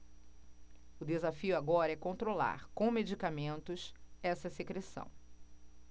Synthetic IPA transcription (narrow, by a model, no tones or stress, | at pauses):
ʊd̪ezafiʊaɡɔɾɐɛkõnt̪ɾola̰ɾkõw̃med͡ʒikamẽnt̪ʊsɛsɐsekɾesɐ̰̃w̃